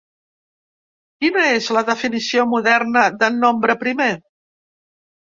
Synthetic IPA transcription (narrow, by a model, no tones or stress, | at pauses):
kinəezləðəfinisiomuðɛrnəðənːombɾəpɾime